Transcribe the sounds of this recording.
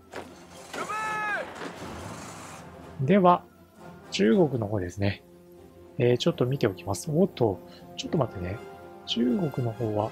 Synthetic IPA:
d̪e̞βa | t͡ɕɨːɡo̞kɯ̟no̞ɦo̞ːd̪e̞sɨne̞ | eːt͡ɕot̪ːo̞mʲit̪e̞o̞kʲimasɨ̥βot̪ʰːo̞t͡ɕo̞t̪ːo̞mat̪ːane̞t͡ɕɨːɡo̞kɯ̟no̞ho̞ːβa

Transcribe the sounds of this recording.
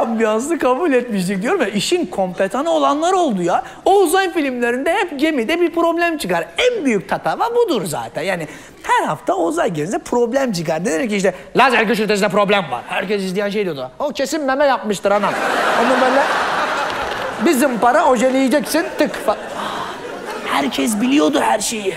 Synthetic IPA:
ambijansɯkʰabulʲɛt̪̚miʃd͡ʒ̪ɛc̚d̪ijoɾumvɛiʃinkʰo̞mpet̪ʰanɯo̞lˠanlˠaɾo̞lˠd̪uja | ouzajfilʲimlʲeɾind̪ɛhɛp̚ɟe̞mid̪ɛbiɾpɾo̞blʲæmt͡ʃʰɯkaɾænbyjyc̚t̪ʰat̪ʰavaɾbud̪uɾza̰ːt̪ʰænjaːni | hæɾɦaft̪ʰaozajɟemzɛpʰɾo̞blʲæmt͡ʃʰɯkaɾned̪eɾcːiiʃ̬t̪ɛlʲaːzæɾɟøʃyɾt̪ʰes̬nɛpɾo̞blʲæmva̰ɾ̥hæɾcɛs̬izlʲijænʃejd̪ijod̪uocʰesimlɛmɛjap̚mɯʃt̪ʰɯɾanamo̞nubøːjlʲɛ | bizimpaɾaod͡ʒelʲijid͡ʒɛcsint̪ʰɯkfa | hæɾcʰɛs̬bilʲijo̞d̪uhæɾʃej

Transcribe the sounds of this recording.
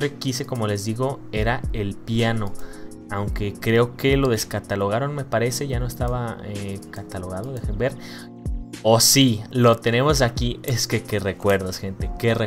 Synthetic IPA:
ɾekiseko̞mo̞le̞zðiɣo̞e̞ɾae̞lpjano̞ | awŋke̞kɾe̞o̞ke̞lo̞ðe̞skat̪alo̞ɣ̞aɾo̞nme̞paɾe̞se̞ʝano̞est̪aβaekat̪alo̞ɣ̞aðoðexembe̞ɾ | osilo̞t̪e̞ne̞mo̞s̬akie̞skeke̞re̞kwe̞ɾðosxe̞nt̪e̞kere

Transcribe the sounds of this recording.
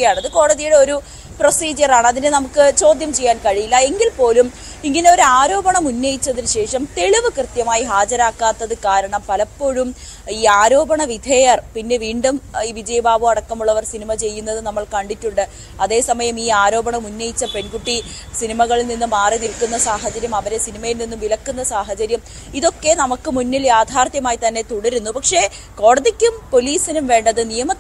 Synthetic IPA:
ɐjaːɳɐðɨko̞ːɽɐðijuɽe̞o̞ɾu | prosiːd͡ʑɐraːɳɨɐðinenɐmukːɨt͡ɕo̞ːd̪ʱjɐmt͡ɕe̞jːaːnkɐɻijilːɐe̞ŋɡilpo̞ːlum | iŋːɐneo̞ɾuaːɾo̞ːbɐɳɐmunːɐjit͡ɕːɐðinɨɕe̞ːʂɐmt̪e̞ɻiʋɨkrɨt̪jɐmaːjiɦaːd͡ʑɐɾaːkːaːt̪ːɐðɨkaːɾɐɳɐmpɐlɐpːo̞ːɻum | iːaːɾo̞ːbɐɳɐʋid̪ʱɐjɐrpinːe̞ʋiːɳɖumiːʋid͡ʑɐjɐbaːbuɐɽɐkːɐmuɭːɐʋɐrsinimɐt͡ɕe̞jːunːɐðɨnɐmːɐɭkɐɳɖitːuɳɖɨ | ɐðe̞ːsɐmɐjɐmiːaːɾo̞ːbɐɳɐmunːejit͡ɕːɐpe̞nkuʈːi | sinimɐɣɐɭilninːumːaːrinilkunːɐsaːɦɐt͡ɕɐɾjɐmɐʋɐɾesinimɐjilninːumʋilɐkːunːɐsaːɦɐt͡ɕɐɾjɐm | iðo̞kːe̞nɐmukːɨmunːiljaːd̪ʱaːrt̪jɐmaːjit̪ɐnːe̞t̪uɽɐɾunːupɐkʂe̞ | ko̞ːɽɐðikʲːumpo̞liːsinumʋe̞ːɳɖɐðɨnijɐmɐ

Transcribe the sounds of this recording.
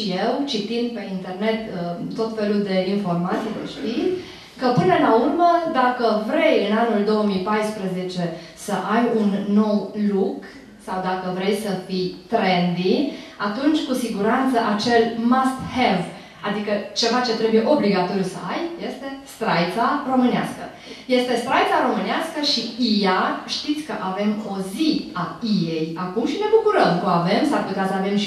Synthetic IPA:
ijewt͡ʃit̪ind̪̚pe̞int̪e̞rne̞t̪ət̪o̞t̪fe̞luld̪e̞info̞rmat̪sijd̪ə̰ʃt̪i | kəpɨnəlaurməd̪akəvɾe̞jɨnanuld̪o̞wəmijpajspɾəze̞t͡ʃe̞ | səʔajunːo̞wluk | sawd̪akəvɾe̞jsəfijt̪ɾend̪iat̪unt͡ʃʲkusiɡuɾant̪səʔat͡ʃe̞lmast̪helf | ad̪ikət͡ʃe̞vat͡ʃe̞t̪ɾe̞buje̞ʔo̞bliɡat̪o̞ɾjusə̰ajje̞st̪e̞st̪ɾajt̪saro̞mɨnea̰skə | je̞st̪e̞st̪ɾajt̪saɾo̞mɨneaskəʃiijaʃt̪it̪sʲkəʔave̞mo̞ziaije̞jakumʃine̞bukuɾəmkoave̞msaɾput̪easəavemʃ

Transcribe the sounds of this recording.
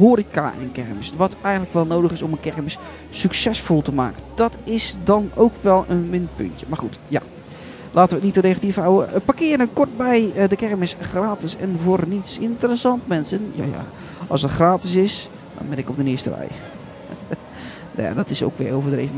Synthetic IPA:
ɦoːɾika̰ʔɪ̰nkɛrmɪsʋɑtʰɛjɣəndtləkʋɛlˠnowdəχɪsɔmənkɛɹmɪsː | yksɛsfolˠtəma̰ːkənd̥ɔtɪsdɑnowkʋɛlˠənʋɪnpɵ̰ntjəmaːrχutja̰ | lʔaːtənʋətnitənexatifawəpakɪːɾəənkɔrt̚bɛjdəkɛrmɪsχraːtɪsɛnvʊːrnitsɪntərəsɑntmɛnsənja̰ːja̰ | ɑlˠsətxraːtɪs̬ɪs | dɔ̰nbɛnɪkɔb̚dənɪəstə̰rɛ̰j | na̰ja̰dɔtɪso̰wkʋɪ̰owvədrḛjvən

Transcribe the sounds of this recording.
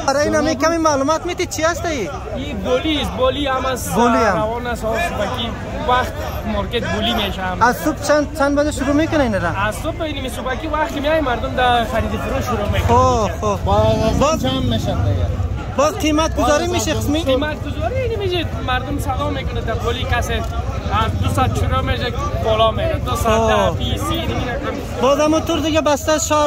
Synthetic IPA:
baɾainamekamimalumat̪met̪it͡ʃʰiast̪ai | i | bolisbɔliamasboliamɾawɔnasɔsʊpaki | waxt̪ | mɔɾket̪̚bulimeʃamazsʊpt͡ʃʰant͡ʃʰanbad͡ʒaʃʊɾumekʊnainaɾaazsʊpinimisʊpakiwaxt̪kɪmeajmaɾd̪ʊmd̪axaɾid̪ifuɾoʃʊɾomekoxobɔzt͡ʃamːeʃad̪ɪɡa | bɔzqʰimat̪̚ɡʊzɔɾimeʃismiimat̪̚ɡʊzɔɾiinimed͡ʒimaɾd̪ʊmsad̪ɔmekʊnad̪apolikaseafd̪ʊsat̪̚t͡ʃʰɪɾomed͡ʒabɔlɔmeɾat̪ɔsafisiniminakam | bɔzamɔt̪ʊɾd̪ɪɡabast̪azʃɔ

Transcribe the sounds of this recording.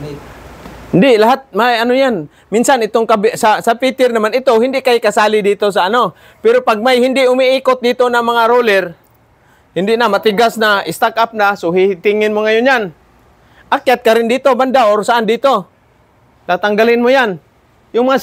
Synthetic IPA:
hɪnd̪ɪʔlaɦat̪̚majanojan | mɪnsanɪt̪oŋkabsasapit̪ɪrnamanɪt̪oɦɪnd̪ɪʔkajɪkasalɪdit̪os̬aːno | pɛɾopaɡ̚majhɪnd̪ɪʔʊmiiːkʊt̪̚d̪it̪onamaŋaɾolɛr | hɪnd̪ɪʔnamat̪ɪɡasnaɪst̪akap̚nasʊɦit̪ɪŋɪnmoŋajʊɲan | ʔakjat̪̚kaɾɪndiːt̪omandaʔoɾsaʔandit̪o | k̪at̪aŋɡalɪnmʊjan | jʊŋmaŋa

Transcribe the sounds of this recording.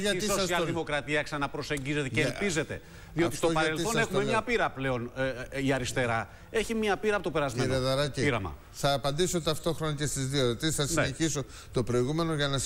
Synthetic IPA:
ɐt̪sosiɐlðimo̞kɾɐt̪iɐksɐnɐpɾo̞se̞ɲɟize̞t̪ecelpize̞t̪e̞ | ðio̞tist̪opɐɾelsθo̞nne̞xummemɲɐpiɾɐple̞o̞niɐɾist̪e̞ɾɐ | e̞çimɐpiɾɐpot̪o̞peɾɐzmeɾeðɐɾɐiiɾɐmɐ̰ | θɐːpɐnd̪iso̞t̪ɐft̪o̞xɾonɐcest̪izðioɾot̪isθɐsineçiso̞ | t̪o̞pɾo̞iɣume̞noʝɐnɐs

